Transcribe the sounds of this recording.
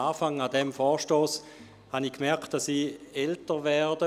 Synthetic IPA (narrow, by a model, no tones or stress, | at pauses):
aːfaŋadɛmfɔːɐʃtoːs | hanikmɛɐkt̚d̥asiːɛltəvɛɐdə